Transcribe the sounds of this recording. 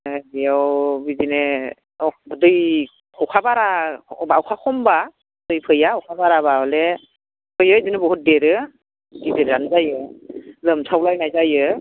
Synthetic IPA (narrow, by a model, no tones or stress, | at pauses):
ɔwbizine | ɔbɯdɯj | ɔkʰabaɾabawkʰakʰɔmba | bdɯjpʰɯjaɔkʰabaɾabaɔle | pʰɯjɯjzɯnɯbɔɦut̚deɾɯ | ɡideɾɾanzajɯzɯmsʰawlajnajzajɯ